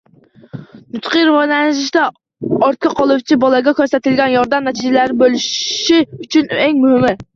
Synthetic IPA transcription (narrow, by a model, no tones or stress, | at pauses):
nyt̪qəɾwɑnɛnʒɪʃt̪ɛ | ɑɾt̪̚kʲʰɑqʰɑlˠuwt͡ʃʰibɑlˠɛɡʲɛkʲʰøɾsɛt̪ɪlɡʲɛnjɑɾd̪ɛmnɛt̪ʰid͡ʒɛlæɾbølˠyʃʃiyt͡ʃʰynɛŋʲmyhɪmɪ